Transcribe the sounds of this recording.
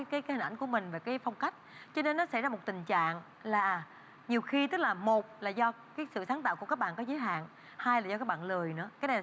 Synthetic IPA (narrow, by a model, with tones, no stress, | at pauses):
kaː˨˦jkaː˨˦hi˨˩ŋ̟ʔjŋ̟ku˧˩əmï˨˩ŋ̟ve˨˩kaː˨˦jfɔ˧wŋ͡mka˦˥jk̟̚t͡ɕɔ˧ne˧nːɔ˨˦sa̰˧˥jzaː˧mo˨˩t̚t̪ï˨˩ŋ̟t͡ɕa̰ː˧˨ŋ | laː˨˩ | ɲi˨˩əwxi˧t̪ɨ˦˥k̚laː˨˩mo˨˩t̚laː˨˩zɔ˧kaː˨˦jsɨ̰˧˨saː˨˦nt̪a̰ː˧˨wku˧˩kaː˦˥k̚ɓa̰ː˧˨nkɔ˨˦zəː˨˦jɦa̰ː˧˨ŋ | haː˧jlaː˨˩zɔ˧kaː˦˥kɓa̰ː˧˨nlə˨˩əjnɨ̰˧˥əkaː˨˦jna˨˩˨